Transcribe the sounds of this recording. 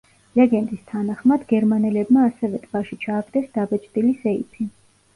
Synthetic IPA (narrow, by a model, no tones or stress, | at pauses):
lɛɡɛnd̪ist̪ʰanaχmad̪ɡɛɾmanɛlɛbmaːsɛvɛt̪ʼb̥aʃit͡ʃʰaːɡd̪ɛsd̪abɛt͡ʃʼd̪ʼilisɛḭpʰi